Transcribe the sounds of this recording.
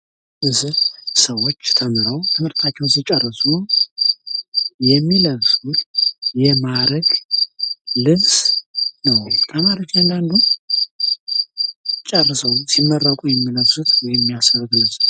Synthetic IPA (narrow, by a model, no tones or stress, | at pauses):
ʔɨzɨsəwo̞t͡ʃːt̪ʰəmɨɾəwt̪ʰɨmɨɾt̪ʰʼat͡ʃːɛwzɨt͡ʃʼərːɨsʼu | jɛmːiləβsut̪jɛmaɾəɡ | lɨnsnəwt̪ʰəmaɾət͡ʃand̪and̪u | t͡ʃʼɛrːɨsəwsimːərːakʼujɛmːiləβsut̪wɔjɛmːijasəɾɨɡ̪lɨz